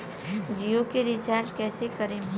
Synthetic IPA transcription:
d͡ʒijokeɾit͡ʃaɾʈkɛːsekəɾem

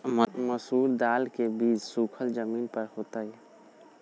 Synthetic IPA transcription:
məsuːɾd̪aːlkebiːd͡ʒsukʰəld͡ʒəminpəɾɦot̪əj

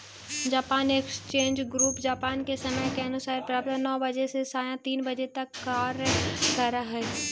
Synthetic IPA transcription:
d͡ʒaːpaːnekst͡ʃẽːnd͡ʒɡɾuːpd͡ʒaːpaːnkesɐməjkeɐnʊsaːɾpɾaːp̚t̪ənɔːbɐd͡ʒesesaːjãt̪iːnbɐd͡ʒet̪ɐkːaːɾkɐɾaɦɛ

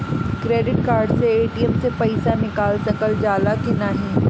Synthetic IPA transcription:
kɾeːɖɪʈkaːɾɖseeːʈijɛmsepɐɪsanɪkaːlsɐkəld͡ʒaːlakinaɦĩː

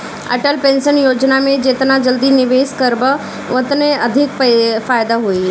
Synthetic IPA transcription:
ɐ̰ʈəlpẽːnsənjoːd͡ʑnamẽd͡ʒeːt̪nad͡ʒɐld̪inɪʋeːskɐɾbə | ʋʊt̪neɐd̪ʱɪkpfaːjd̪aɦui

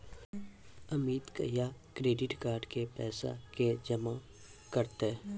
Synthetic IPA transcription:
ɐmiːd̪kə̰jakɾeːɖɪʈkaːɾɖkepɛːsa̰ked͡ʒɐmã | kəɾt̪e

